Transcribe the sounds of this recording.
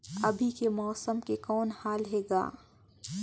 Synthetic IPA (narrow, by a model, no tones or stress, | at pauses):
ɐbʱikemɔːsəmkekɔːnhaːlɦeːɡa̰ː